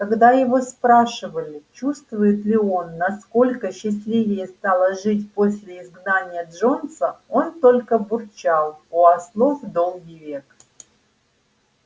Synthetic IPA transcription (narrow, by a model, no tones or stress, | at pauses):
kɐɡd̪ajɪvo̞spɾaʂɨvəlʲɪt͡ɕust̪vʊjɪt̪lʲɪo̞nːɐsko̞lʲkəɕːɪsʲlʲivʲɪjəst̪alˠəʐɨtʲpo̞sʲlʲɪɪzɡnanʲɪjəʐo̞nsəo̞nt̪o̞lʲkəbʊrt͡ɕalˠuɐslˠo̞vd̪o̞lˠɡʲijvʲe̞k